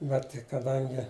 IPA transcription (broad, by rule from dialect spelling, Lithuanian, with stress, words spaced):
ˈbʲɛt kɐˈdɐŋʲɡʲɪ